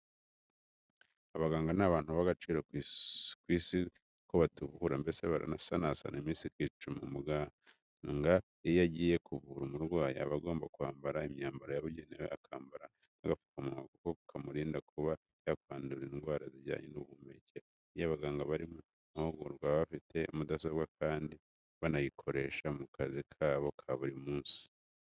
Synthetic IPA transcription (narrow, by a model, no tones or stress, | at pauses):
aβaɡaːŋɡanaβaːn̥huβaɡat͡ʃiːɾo | kwiːsi | koβatuβuhuɾambe̞seβa̰ɾa̰nasanasa̰nimiːsiɾɡit͡ʃumumuɡa | ŋɡa | ejaɟiːje̞kuvuɾumuɾɡwaːja̰aβaɡo̞ːmbakuhaːmbaɾaimɲaːmbaɾojaβuɟeneweakʰaːmbaɾa | aɡafu̥kamumakukoukʰamuɾiːndakʰuβa | jakwaːnduɾinɡwaːɾaziɟa̰ːɲḛnuβuːmbe̞ceɾa | ijaβaɡaːŋɡaβaɾimu | ahoɡuɾɡwaːaβafitʰe̞umudas̬oβɡwakʰaːndi | βanajikʰo̞ɾe̞ːʃamukʰazikʰaːβo̞kʰaβuɾimuːnsi̥